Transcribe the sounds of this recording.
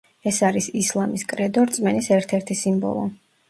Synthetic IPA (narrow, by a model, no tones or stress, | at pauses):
ɛsaɾisislˠamiskʼɾɛd̪ɔɾt̪sʼmɛnisɛɾt̪ʰɛɾt̪ʰisimbɔ̰lˠɔ̰